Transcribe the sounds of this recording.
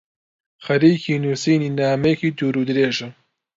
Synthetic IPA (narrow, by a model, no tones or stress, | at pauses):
xɐɾiːkʰiːnuːsiːniːnaːmɐjekiːd̪uːɾuːd̪ɨɾeːʒɐ